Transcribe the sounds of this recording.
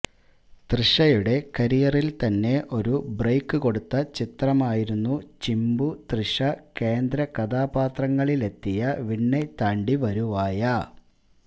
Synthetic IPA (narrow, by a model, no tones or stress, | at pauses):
t̪riʂɐjuɽe̞kɐɾijɐrilt̪ɐnːe̞ʔo̞ɾubrejkːɨko̞ɽut̪ːɐt͡ɕit̪rɐmaːjiɾunːut͡ɕimbut̪riʂɐke̞ːnd̪ɾɐkɐd̪aːpaːt̪rɐŋːɐɭile̞t̪ːijɐʋiɳːet̪aːɳɖiʋɐɾuʋaːjɐ